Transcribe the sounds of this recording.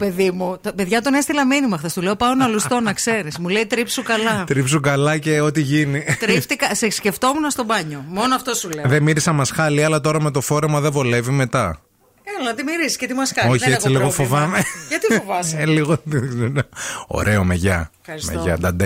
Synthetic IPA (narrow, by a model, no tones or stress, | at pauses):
pe̞ðimut̪peðʝɐt̪o̞nest̪ilɐminimɐxθɐst̪uleo̞pɐonɐlust̪o̞nɐkse̞ɾismuleit̪ɾipsukɐlɐt̪ɾipsukɐlɐce̞o̞t̪iʝinit̪ɾift̪ikɐsesce̞ft̪omunɐst̪obɐɲo̞mo̞noɐft̪o̞suleðemiɾisɐmɐsxɐliɐlɐt̪o̞ɾɐmet̪o̞fo̞ɾe̞mɐðevo̞le̞vime̞t̪ɐ | elonɐt̪imiɾisi̥scet̪imuɐskɐoçiet͡siliɣofovɐmeʝɐt̪ifovɐseliɣot̪izenɐo̰ɾe̞o̞meʝɐfɐɾismḛʝɐ̰d̪ɐd̪e